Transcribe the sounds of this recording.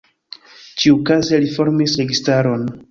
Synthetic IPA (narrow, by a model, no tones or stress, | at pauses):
t͡ʃiukaze̞lifo̞ɾmisɾe̞ɡistaɾo̞n